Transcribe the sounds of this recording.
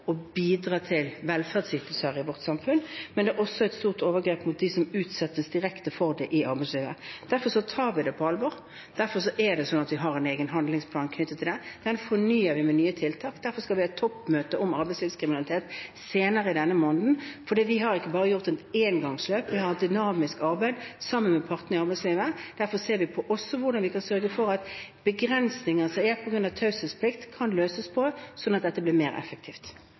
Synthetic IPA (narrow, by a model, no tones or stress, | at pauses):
ɔbiːd̪ɾɑːt̪ʰɪlʋɛlfæʁd̪sʏt̪l̩səɾɪʋɔʁt̪sɑmfʉnmɛnɛːʔɔsɔæɪt̪st̪uːʁt̪oːʋəɡɾeːpmʊt̪̚d̪ɪsɔmʉːt̪sɛt̪ːəsd̪ɪɾɛkt̪əfɔʁd̪ɛʔɪɑɾbæɪsliːʋə̰d̪̥æɾfɔʂɔt̪ʰɑːɾʋɪd̪ɛpʰɔɑlʋɔɾ | d̪̥æɾfɔɾʂɔʔɛd̪ɛsɔnɑt̪ʋɪɦɑɾɛneːɡənɦɑnd̪lɪŋspʰlɑːnkʰnʏt̪ːət̪ʰːɪld̪ɛd̪̥ɛnfɔnyːəɾʋɪmɛnyːət̪ʰɪlt̪ʰɑːkd̪æɾfɔʁskɑlʋɪæɪt̪ʰːɔpːmøːt̪əʔɔmɑɾbæɪsliːʋskʰɾɪmɪnɑlɪt̪ʰeːt̪seːnəɾəɪd̪ɛnːəmɔːnd̪n̩fɔd̪iːʋɪɦɑɾɪkːəbɑːʁəjʊʁt̪ɛneːnɡɑŋsløːpʋɪhɑɾɛt̪̚d̪ʏnɑːmɪskɑɾbæɪd̪sɑmːənmɛpʰɑʁt̪nəɪɑɾbæɪsliːʋəd̪̥æɾfɔseːɾʋɪpʰɔʔɔsːɔʋʊʁdɑnʋɪkʰɑnsœɾɡəfɔɾɑt̪b̥əɡɾɛnsnɪŋəsɔæːpʰɔɡɾʉnd̪ɑʋt̪ʰɑʉsəspʰlɪkt̪kʰːɑnløːsəspʰɔdɛsɔnːɑt̪̚d̪ɛt̪ːəbliːɾmeːɾʔɛ̰fək̚t̪ʰiːft̪